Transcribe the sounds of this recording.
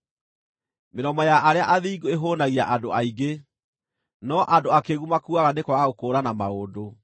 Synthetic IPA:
meɾɔmɔjaʔaɾeaʔaðiːɡoeɦoːnaɣiaʔadoaiɡe | nɔʔadoakeɣumakuaɣanekwaaɣokoːɾanamaodo

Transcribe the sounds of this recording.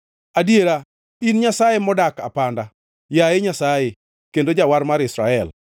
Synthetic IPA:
adjeɾa | inɲasajemɔdaka̰panda | jajeɲasaje | kendod͡ʒawaɾmaɾɪsɾa̰ɛl

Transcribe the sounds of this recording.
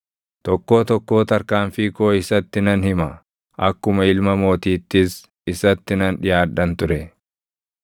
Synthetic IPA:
t̪ɔkːo̞ːt̪ɔkːo̞ːt̪ɐɾkaːnfiko̞ːɪsɐt̪ːɪnɐnhɪmɐ | ɐkːʊmɐɪlmɐmo̞ːt̪iːt̪ːɪs | ɪsɐt̪ːɪnɐnᶑɪjaːᶑɐnt̪ʊɾɛ

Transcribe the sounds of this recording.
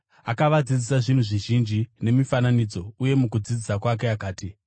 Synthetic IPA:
akaʋad͡zid͡zisaʐin̤uʐiʒind͡ʒine̞mifananid͡zo̞uje̞mukud͡zid͡zisakwak̬e̞akaːti

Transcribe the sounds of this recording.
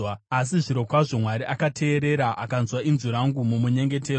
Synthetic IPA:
aas̬iʐiɾo̞kwaʐomwaɾiʔakatʰe̞ːɾe̞ɾaʔakanzwainzuɾaŋɡumumuɲe̞ŋɡe̞teːro

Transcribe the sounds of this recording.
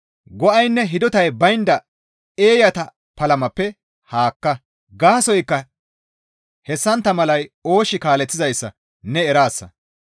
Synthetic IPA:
ɡɔʔɐjnːɛɦɪd̪ɔt̪ɐjbɐjnd̪ɐ | e̞ːjɐt̪ɐ | pɐlɐmɐpːɛ | haːkːɐ | ɡaːsɔjkːɐ | hɛsːɐnt̪ːɐmɐlɐjo̞ːʃɪkaːlɛt͡sːɪzɐjsːɐ̰ | nɛːɾaːsːɐ̰

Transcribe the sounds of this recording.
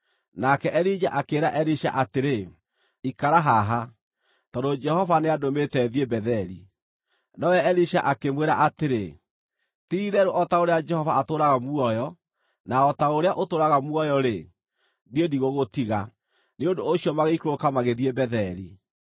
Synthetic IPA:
nakɛʔɛɾid͡ʒa̰ʔakeːɾaʔɛɾiʃa̰ʔateɾe | ikaɾaɦaɦa | tɔdod͡ʒɛhɔvaneadometɛðiebɛðɛɾi | nɔwɛɛɾiʃaʔakemweɾaʔateɾe | tiðɛɾoʔɔtaoɾead͡ʒɛhɔvaːtoɾaɣamuɔjɔ | naɔtaoɾeaʔotoɾaɣamuɔjɔɾe | diediɣoɣotiɣa | neondoːɕiɔmaɣeikoɾokamaɣeðiebɛðɛɾḭ

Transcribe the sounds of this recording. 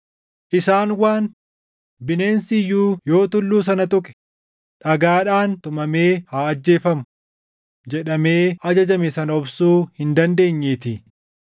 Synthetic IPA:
ʔɪsaːnwaːn | bɪne̞ːnsɪjːuːjo̞ːt̪ʊlːuːs̬ɐnɐt̪ʼʊkʼɛ̥ | ᶑɐɡaːᶑaːnt̪ʊmɐme̞ːhaːɐd͡ʒːe̞ːfɐmʊ | d͡ʒɛᶑɐme̞ːʔɐd͡ʒɐd͡ʒɐmɛsɐnɐɔbsuːhɪnd̪ɐnd̪e̞ːɲːeːt̪ɪ

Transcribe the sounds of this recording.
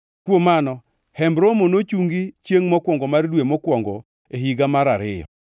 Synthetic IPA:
kwomanɔ | hɛmbɾomonot͡ʃuŋɡit͡ʃjeŋmɔkwɔŋɡɔmardwemɔkwɔŋɡɔ | eɦiɡamaɾaɾɪjɔ̰

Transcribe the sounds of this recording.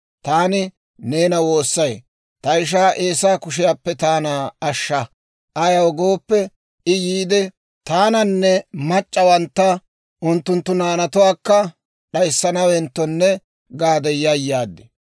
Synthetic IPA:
t̪aːnɪ | ne̞ːnɐwo̞ːsːɐj | t̪ɐɪʃ̬aːʔeːsaːkʊʃɪjaːpːɛt̪aːnaːɐʃːɐ | ʔɐjɐwɡo̞ːpːɛ | ɪjiːd̪ɛ | t̪aːnɐnːɛmɐt͡ʃʼːɐwɐnt̪ːɐ | ʔʊnt̪ːʊnt̪ːʊnaːnɐt̪ʊwaːkːɐ | ɗɐjsːɐnɐwɛnt̪ːɔnːɛ | ɡaːd̪ɛjːajːaːd̪ːɪ

